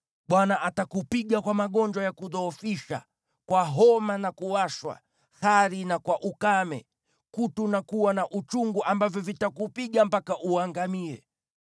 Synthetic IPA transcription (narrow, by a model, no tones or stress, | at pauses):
ɓwanaʔatakupiɠakwamaɠɔnd͡ʒwajakuðɔːfiʃa̰ | kwaɦɔmanakuaʃwa̰ | haɾinakwaʔukamɛ̰ | kutunakuwanaʔut͡ʃuŋɡuʔambavjɔvitakupiɠam̩pakaʔuaŋɡamiɛ̰